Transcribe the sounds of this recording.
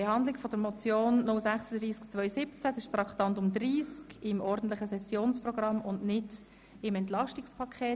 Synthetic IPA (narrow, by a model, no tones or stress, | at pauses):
behɑnd̪lɪkfɔd̥̪əɾmɔt͡sjoːnnʊlsæχsəd̪ɾiːskt͡svœʏsɪpt͡sæd̪ɛʃt̪ɾɑkt̪ɑntʊmd̪ɾiːskɪmɔɾdn̩tlɪχəsɛsjoːnsprɔɡ̥ɾɑmʊndnɪd | ɪmɛntlɑʃtɪkspʰɑkʰχeː